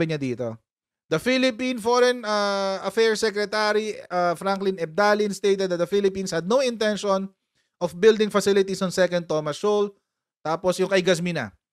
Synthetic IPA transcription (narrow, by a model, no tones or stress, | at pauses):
ɪɲɐd̪iːt̪o̞̰ | d̪̥ɐfilɪpĩnfoɾɛnɐɐfɛɹsɛkɾɛt̪aɾiʔɐfɾaŋklɪnɛb̚d̪aːlɪ̃nst̪ejt̪ɛd̪̚ɐt̪̚dɐfilɪpĩːnshɐd̪̚nowɪ̃nt̪ɛnʃɔn | ʔɔfbɪld̪ɪ̃ŋfɐsɪlɪt̪isɔnsɛkɐnd̪̚t̪ːoːmɐsːol | t̪aːposjʊŋkɐʔɪɡɐs̬mɪnɐ̰